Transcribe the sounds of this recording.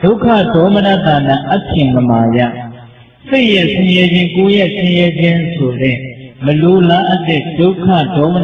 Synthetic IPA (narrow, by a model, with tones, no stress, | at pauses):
d̥o˦ʊkʰːä̰˦˨dɔ˨˦məna˦˨t̪a˨nã˦˨ʔa˦tʰɪ̃˨mə˨ma˨ja̰˦˨ | sɪ˦ʔjɛ˦˨sʰɪ̃˦jɛ˦d͡ʑɪ̃˦ko˦jɛ˦˨ʔsʰɪ̃˦jɛ˦d͡ʑɪ̃˦sʰo˨dɛ˦˨mə˨lo˨la˦ʔa˦t̪ɪ˦˨ʔd̥o˦kʰä̰˦˨dɔ˨˦mə˦n